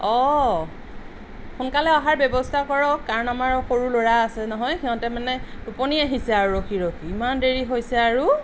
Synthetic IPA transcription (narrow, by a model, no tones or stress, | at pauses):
ɔ | xunkalɛaɦaɹbɔbɔstʰakɔɹɔkːaɹɔnamaɹxoɹuloɹaːsɛnɔɦɔjxiɔ̃tɛmanɛtuponiaɦisɛaɹuɹoxʰiɹokʰiːmandeɹiɦojsɛaɹu